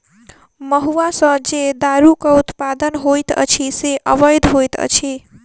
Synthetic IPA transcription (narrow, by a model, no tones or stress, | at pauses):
mʌɦuasʌ̃d͡ʒed̪aɾukout̪pad̪ənɦojt̪ʌ̰t͡ʃʰiseʔəbʌjd̪ʱɦojt̪ʌ̰t͡ʃʰi